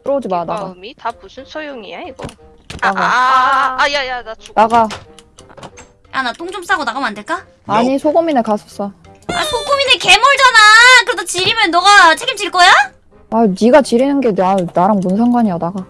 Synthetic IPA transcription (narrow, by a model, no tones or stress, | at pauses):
ɯɾʌd͡ʑimanaɡamitapusʰɯnsʰojoŋieiɡʌ̰ | naɡa | jajanaonaɡa | a̰nat͈oŋd͡ʑoms͈aɡonaɡɯmande̞ɭk͈a | aɲisʰoɡominekasʰʌs͈ʌ | asʰoɡomineke̞moɭd͡ʑanakɯɾedʰot͡ɕiɾimjʌnːʌɡat͡ɕʰe̞ɡimt͡ɕiɭk͈ʌja | aniɡat͡ɕiɾinɯnɡe̞nanaɾanmunsʰaŋɡwaɲiʌnaɡa